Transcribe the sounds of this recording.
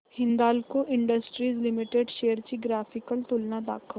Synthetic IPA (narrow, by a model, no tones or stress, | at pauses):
hɪ̃nd̪aːlkoʔɪ̃ɳɖəsʈɾiːzlɪmɪʈeɖʃeːəɾt͡ʃiɡɾaːfʰɪkəlt̪ʊlnad̪a̰ːkʰə